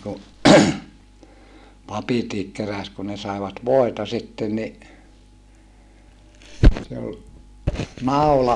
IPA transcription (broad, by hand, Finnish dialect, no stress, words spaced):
ku pɑpitiːk keræs kun ne sɑeʋɑt ʋoˑetɑ sitːen ni se ol nɑu̞lɑ